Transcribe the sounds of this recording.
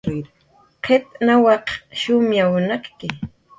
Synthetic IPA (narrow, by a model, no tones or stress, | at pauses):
qʰep̚nawɑqʃʊmjawnaqkɪ